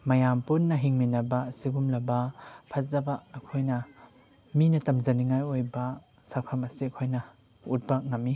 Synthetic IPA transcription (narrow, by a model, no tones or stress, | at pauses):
mɐjampunːɐɦiŋminɐbɐsiɡumlɐbɐpʰɐzɐbaːkʰojnɐ | minɐtɐmzɐniŋajojbɐ | sakʰɐmɐsiɐkʰojnɐ | ut̚baŋamːi